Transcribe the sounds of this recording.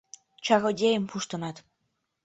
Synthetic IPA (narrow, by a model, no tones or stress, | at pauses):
t͡ʃaɣoɟempʰuʃt̪onat̪